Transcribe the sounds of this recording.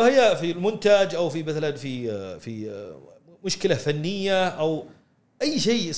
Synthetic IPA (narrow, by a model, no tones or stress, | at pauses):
hɪjːafilmʊnt̪ad͡ʒʔawfimaθlanfifi | mʊʃkɪlafanːɪjːaʔaw | ʔajːʃeːɪs